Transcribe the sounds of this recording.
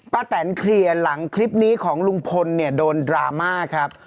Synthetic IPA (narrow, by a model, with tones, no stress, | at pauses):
paː˧t̪ɛː˩˦nkʰli˧əla˩˦ŋkʰli˦˥p̚niː˦˥kʰɔː˩˦ŋlu˧ŋpʰo˧nːi˥˩ɐdoː˧ndɾa̰ː˧maː˥˩kʰɾa˦˥p̚